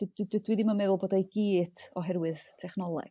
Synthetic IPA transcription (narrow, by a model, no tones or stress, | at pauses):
d̥ddɪdwiðimənmɛðʊlˠboːdejɡiːdɔɦɛɾwɨð̥tʰɛχnɔlˠɛ̰ɡ̥